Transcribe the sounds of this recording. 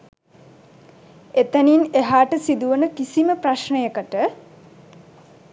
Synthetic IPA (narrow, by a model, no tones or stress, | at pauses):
et̪ənineɦaːʈəsid̪uʋənəkisiməpraʃnəjəkəʈə